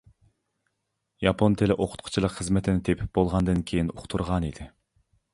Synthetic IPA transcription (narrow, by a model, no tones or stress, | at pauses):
jɑpʰont̪ʰelɪʔoqʰʊ̥t̪̚qʰʊ̥t͡ʃʰilˠəqχəzmɛt̪ʰɪnɪt̪ʰepʰɪb̥olˠʁɑnd̪ɨnkʲʰejinoχʰt̪ʰuɾʁɑnid̪ɪ